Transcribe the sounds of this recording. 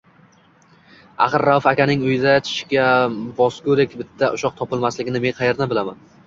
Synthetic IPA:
a̰χɨɾːawfakʲanɪŋʊjɪd̪at͡ʃʰɪ̥ʃkʲabɒskɵɾekʲbɪt̪ʰːaʔʊʃɒq̚t̪ʰɒpɪlˠmaslɪɡʲɪnɪmenqʰɑjeɾd̪anbɪlama̰n

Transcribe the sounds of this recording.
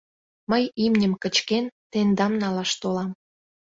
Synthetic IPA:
məjimnʲəmkə̆t͡ɕkent̪end̪ɑmnɑlɑʃt̪olɑm

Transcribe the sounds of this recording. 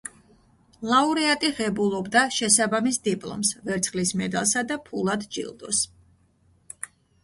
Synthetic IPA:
lˠauɾɛat̪ʼiʁɛbulˠɔbd̪aʃɛsabamisd̪ipʼlˠɔ̰msvɛɾt̪sʰχlismɛd̪a̰lˠsad̪apʰulˠad̪d͡ʒḭlˠd̪ɔs

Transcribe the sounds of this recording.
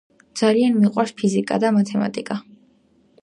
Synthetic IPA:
d̪z̥alianmiqʼwaɾspʰizikʼa̰d̪amat̪ʰɛma̰t̪ʼikʼa

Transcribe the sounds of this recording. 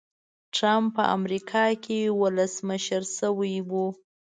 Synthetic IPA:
ʈɾamppːə̰ʔa̰mɾikʰɑkʰewʊləsməʃəɾsəwajwu

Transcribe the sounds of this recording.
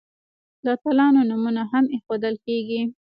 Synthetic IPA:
lat̪alɑnonumunaɦamexod̪əlkeɡi

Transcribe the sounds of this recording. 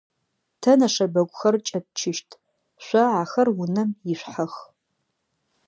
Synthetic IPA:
tʰɐnɐʂɐbɐɡʷʼxɐrt͡ʃʼɐt̚t͡ʃʰɪʃtʰʼ | ʃʷɐʕaxɐrwʊnɐmjɪɕʷħax

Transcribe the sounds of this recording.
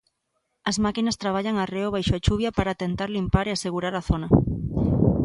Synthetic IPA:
ɐzmakinɐst̪ɾaβ̞aʎaŋareoβ̞ajʃoat͡ʃuβ̞japaɾat̪ent̪aɾlimpaɾeaseɣuɾaɾaθonɐ

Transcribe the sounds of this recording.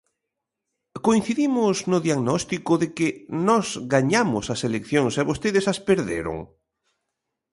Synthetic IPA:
koin̟θiðimʊznʊðjaɣnɔst̪ikʊðekɪnɔzɣaɲamʊsɐselekθjoŋsɛβost̪eðɪsɐspeɾðḛɾʊ̰ŋ

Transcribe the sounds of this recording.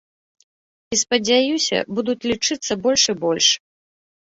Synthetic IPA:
ispɐd͡zʲajusʲɐ̰bud̪ut͡sʲlʲit͡ʂɨt̪sːɐbɔlʲʂɨbɔlʲʂ

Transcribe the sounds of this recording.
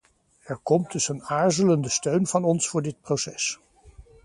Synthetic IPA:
ɛɹkɔmdɵsənaːɹzələndəstøɥnvɑnɔnsfʊːɹdɪt̚prowsɛs

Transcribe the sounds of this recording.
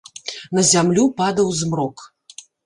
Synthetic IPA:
nɐzʲamlʲupad̪ɐwzmrɔk

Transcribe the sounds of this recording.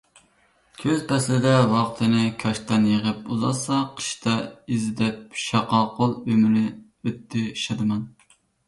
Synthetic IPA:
kʲʰøzpʰɛslɪd̪ɛwɑqt̪ʰɨnɪkʲʰɑʃt̪ɑnjəʁəpuzɑ̰sɑqʰə̥ʃt̪ɛizɪd̪ɛp̚ʃɑqɑqolˠømɪlɪ | øt̪ʰːɪʃɑd̪ɨmɛn

